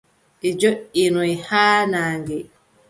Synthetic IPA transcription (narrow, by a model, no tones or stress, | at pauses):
ʔid͡ʒoʔinɔihaːnaːŋɡɛ